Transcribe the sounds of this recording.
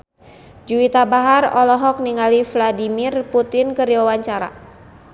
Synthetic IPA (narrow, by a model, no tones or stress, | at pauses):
d͡ʒuit̪abaɦarɔlɔɦɔk̚niŋalifladimirput̪ɪnkəɾiwawaɲt͡ʃaɾa̰